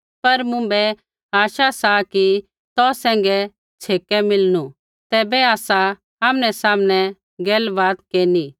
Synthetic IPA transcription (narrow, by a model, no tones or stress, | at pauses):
pɐɾmʊ̃bɛ | aːʃasaki | t̪ɔːsɛ̃ːŋɡɛ | t͡sʰeːkɛmɪlnu | t̪ɛːbɛaːsa | aːmñɛsaːmñɛ̃ | ɡɛːlʋaːd̪keːni